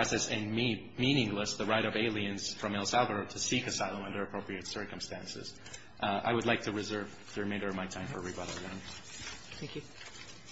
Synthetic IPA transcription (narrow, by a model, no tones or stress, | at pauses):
ɑsɛsɨ̃ni | mĩnɪ̃ŋləsðəɹaɪɾʌveɪlˠiɨ̃nz̥fɹʌ̃mɛlˠsælˠvə˞əɾʰɨsikɨsaɪlˠə̃mʌ̃ndə˞ɨpʰɹ̥oʊpɹiɨtsɜ˞kə̃m̩stæ̃nsɪ̰z̥ | ʔa̰ɪwɨdˡlaɪk̚tʰɨɹɨzɜ˞v | ðɨɹɨmẽɪ̃ndə˞ʌvmaɪtʰãɪ̃ɱfə˞ɹibʌɾl̩ˠðɨ̃n | θæ̃ŋkjʉ